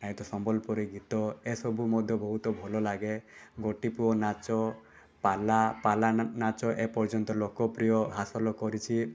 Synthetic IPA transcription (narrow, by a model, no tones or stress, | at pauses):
aɦit̪ɔsɔmbɔlpɔɾiɡit̪ɔesɔbumɔd̪ʱjɔbɔɦut̪ɔbʱɔlɔlaɡeɡɔʈipuɔnat͡ʃɔ | palapalanat͡ʃɔʔepɔɾd͡ʒɔnt̪ɔlokɔpɾijɔɦasɔlɔkɔɾit͡ʃʰi